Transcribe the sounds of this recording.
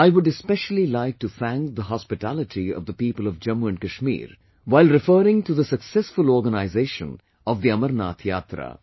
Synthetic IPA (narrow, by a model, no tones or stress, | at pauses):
aɪwʊɖɛspɛʃəl̩ˠilaɪk̚ʈufæ̃ŋd̪əɦɑspɪʈælɪʈʰiɔ̰vd̪əpiːpəlɔvd͡ʒɐ̃muɛ̃nɖkəʃmḭːɾ | ʋaɪlɾɪfəːɾɪ̃ŋʈuðəsəksɛsfʊlɔːɾɡənaɪzeːʃə̰̃n | ɔvd̪iʌməɾna̰ːt̪ʰjaːt̪ɾə̰